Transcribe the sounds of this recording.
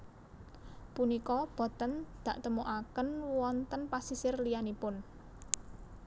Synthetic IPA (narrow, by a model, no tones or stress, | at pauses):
punikɔb̥ɔ̤t̪ənd̪̥ä̤ʔt̪əmoʔakənwɔnt̪ənpasisɪrlijanipʊn